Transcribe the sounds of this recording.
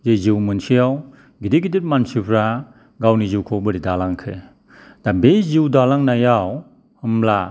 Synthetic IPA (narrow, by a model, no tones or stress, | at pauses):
zeziwmɯnsijaw | ɡidiɡidit̚mansipʰɾa | ɡawniziwkʰobɯɾidalaŋkʰe | d̥abeziwdalaŋnajaw | hɯmla